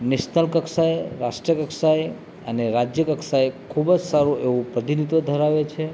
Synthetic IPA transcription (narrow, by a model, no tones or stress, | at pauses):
neʃnəlkəksajɾaʃʈɾijəkəksaj | əneɾad͡ʒjəkəksajkʰubd͡ʒsaɾũʔeʋũpɾəd̪inid̪od̪ʱəɾaʋet͡ʃʰe